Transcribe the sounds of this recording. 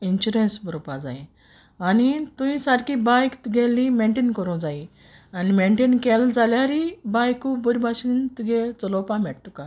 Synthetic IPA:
inɕuɾẽnsbəɾopad͡za̰ẽ | anit̪ũĩsaɾkibajkt̪uɡelːimẽɳʈenkəɾũd͡zai | animeɳʈenkeld͡zaljaɾibajkubəɾʲbʱaɕint̪uɡet͡sɔlɔpamɛɽʈuka

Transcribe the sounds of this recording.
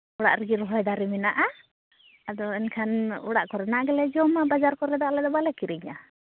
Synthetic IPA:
uɽaʔɾɛɡiɾɔɦɔjd̪aɾɛminaʔa | ad̪ɔɛnkʰanṵɽaʔkɔɾɛnaʔɡɛlɛd͡ʒɔmabad͡ʒaɾkɔɾɛd̪aʔlɛd̪ɔbalɛkiɾiɲa̰

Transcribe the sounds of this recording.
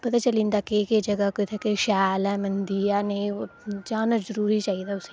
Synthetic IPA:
pɐt̪at͡ʃɐlĩːnd̪akeked͡ʒɐɡakoit̪ʰakeʃaːlɛ̃mɐnd̪ijaneĩd͡ʒaːnazɐɾuːɾit͡ʃaːɦid̪ʰaʊse

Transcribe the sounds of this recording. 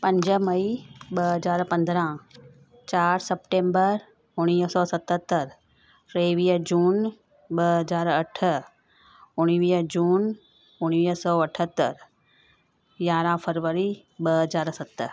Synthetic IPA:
pɐ̃ɲd͡ʑəmɐiɓɐɦɐzaːɾpɐ̃nd̪ɾã | t͡ɕaːɾsɐpʈẽːmbəɾ | ʊɽ̃iːsɔːsɐt̪ət̪ːəɾ | pɾeːʋiːəd͡ʑuːn | ɓəɐzaːɾɐʈʰə | ʊɽ̃iʋiːd͡ʑuːn | ʊɽ̃ʋiːsɔːɐʈʰət̪ːəɾ | jaːɾãfʰəɾʋəɾi | ɓɐɦɐzaːɾsɐt̪

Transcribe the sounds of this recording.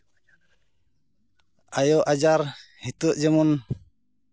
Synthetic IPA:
ajɔʔad͡ʒaɾhit̪ɔʔd͡ʒɛmɔn

